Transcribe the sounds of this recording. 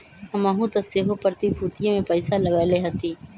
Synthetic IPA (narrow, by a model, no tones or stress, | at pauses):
hɐmaɦũt̪ɐseːɦopəɾt̪ibʱuːt̪ijõmẽpəɪsaləɡaːleɦɐt̪iː